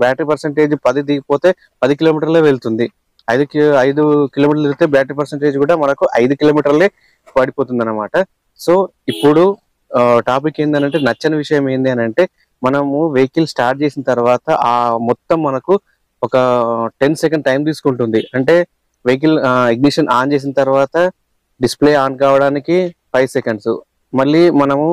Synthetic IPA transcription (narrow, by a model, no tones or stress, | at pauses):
baːʈɾipɐɾseɳʈe̞ːd͡ʒupɐd̪id̪iːɡipoːt̪e̞ː | pɐd̪ikiloːmiːʈ̬ɐɾle̞ːʋeɭt̪und̪i | ɐjd̪ukɐjd̪ukiloːmiːʈɐɾliɾut̪eːbaːʈɾipɐɾseɳʈe̞ːd͡ʒkuːɽaːmɐnɐkuʔɐjd̪ukilo̞ːmiːʈɐɾle̞ː | ɐɽipo̞ːt̪̬und̪ɐnːɐmaːʈɐ | so̞ː | ipːuɽu | ʈaːp̬ikːeːnd̪ɐnɐɳʈe̞ːnɐt͡ʃːɐnɐʋiʂɐjɐmeːnd̪iɐnɐɳʈe̞ː | mɐnɐmuʋejkilsʈaːɾʈ̚t͡ʃe̞ːsinɐt̪ɐɾuʋaːt̪ɐʔaːmɔt̪ːɐmːɐnɐku | ɔkɐʈe̞nsekɐɳɖ̚ʈːɐjmt̪̬iːsu̥kuɳʈund̪iɐɳʈe̞ː | ʋejk̬iliɡ̚niʂɐnʔaːnt͡ʃe̞ːs̬inɐt̪ɐɾʋaːt̪ɐ | ɖisple̞ːaːnkaːʋɐɽaːnikipɐjsekeɳɖsṵ | mɐɭːimɐnɐmu